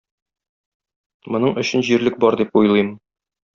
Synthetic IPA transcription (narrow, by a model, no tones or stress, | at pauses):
mŏnɤɴɵ̆ɕɘnʑiɾlɘk̚bɒɾd̪ip̚ujlˠɤjm